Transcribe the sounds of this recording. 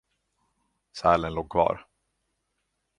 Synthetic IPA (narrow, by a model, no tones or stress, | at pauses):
sæːlənloːɡ̚kʰvɑ̰ːɾ